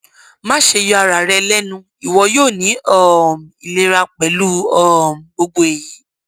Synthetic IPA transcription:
mãː˦ʃe˧jɔ˧a˧ɾa˨ɾɛ˧lɛ˦nũ˧˦ | i˨wɔ˧joː˦˨nĩ˨˦ɔ˦˨m˨i˨le˧ɾa˧k͡pɛ˨˦lu˦ɔ˦˨m̩˨bo˧ɡ͡bo˧˦e˨ji˨˦

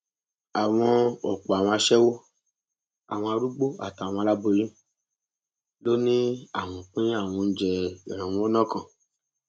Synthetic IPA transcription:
a˨w̃ɔ̃˧ɔ˨k͡pɔ˨a˨wɔ̃˧a˧ʃɛ˦wo˦ | a̰˨w̃ɔ̃˧a˧ɾu˦ɡ͡bo˦a̰˦˨ta˨wɔ̃˧la˦bo˧ɾĩ˦ | lo˦nĩ˦a˦˨w̃ɔ̃˨k͡pĩ˦a˦˨w̃ɔ̃˧n̩˦d͡ʒɛ˧ḭ˨ɾ̃ã˨wũ˦ɔ˦nã˦kã˨

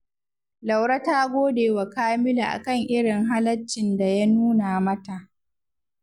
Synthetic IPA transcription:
la˨wɽɐ˦taː˦ɡʷoː˦deː˨wa˨kaː˦mɪ˦la˨ʔa̰˨kɐ˦˨ŋʔɪ˦ɽɪ˨ŋɦa˦lɐ˦t͡ʃːɪ˨nda˨ja˦nuː˦na˨mɐ˦ta˨ʔ

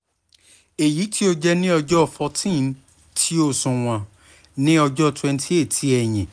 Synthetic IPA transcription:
e˨ji˨˦ti˦o˦d͡ʒɛ˦nĩ˦ɔ˧d͡ʒɔ˦˧fɔ˧tĩ˦˨n˦ | tʰi˦o˦sũ˧˨w̃ã˧ | nĩ˦ɔ˧d͡ʒɔ˦twɛ̃˧ntʰi˦e˦˨tʰi˦ɛ˨j̃ĩ˨

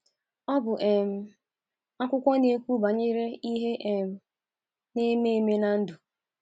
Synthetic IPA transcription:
ɔ˦bʊ˨ʔe˨m̩˨ | a˦kʷʊ˦kʷɔ˦ne˨kʷu˦ba˨ɲe˦ɾe˦i˦ɦe˦ʔe˨m̩˦ | ne˦me˦˨me˦na˦n̩˦dʊ˨

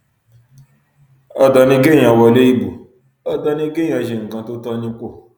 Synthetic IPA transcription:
ɔ˦dɔ˧nĩ˦ɡẽ˦ã˨˧wɔ˧le˦i˦˨bu˨ | ɔ˦dɔ˧nĩ˧˦ɡẽ˦ã˧˨ʃe˨ŋ̩˨kã˨˧to˦tɔ˧˦nĩ˧ko˦˨

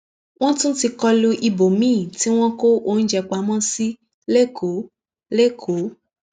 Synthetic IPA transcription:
w̃ɔ̃˦tũ˦ti˧kɔ˧lu˧ʔi˧bo˨mĩː˦˨ti˦w̃ɔ̃˦ko˦ʔo˧˦n̩˦d͡ʒɛ˧k͡pa˨˦mã˦si˦ | le˦˨kʰo˨˦ | le˦˨kʰo˨˦

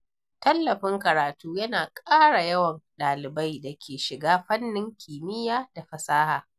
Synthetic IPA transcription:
tɐ˦lːɐ˨ɸɪ˦ŋkɐ˨ɾaː˨tuː˦jɐ˦naː˨kʼaː˦ɽa˨jɐ˦wɐ˨nɗaː˨lɪ˨ba˦jdɐ˨kʲʰeː˨ʃɪ˨ɡaː˦ɸɐ˦nːɪ˦ŋkʲʰiː˨mɪ˦jaː˦da˨ɸɐ˨saː˦haː˨

